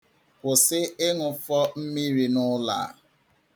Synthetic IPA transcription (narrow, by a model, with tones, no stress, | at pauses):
kʊ˨sɪ˦ɪ˦ŋʊ˨fɔ˦m̩˦mi˦ɾi˨nʊ˦la̰ː˨